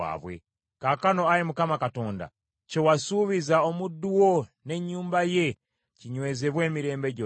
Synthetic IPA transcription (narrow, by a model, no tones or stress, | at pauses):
a̰ːβwḛ | kaːkano̞ajimukamakato̞ːnda̰ | cewasuβizao̞mudːuwone̞ɲːuːmbaje̞ | ciɲwe̞ːzeβwe̞ːmiɾe̞ːmbe̞ɟo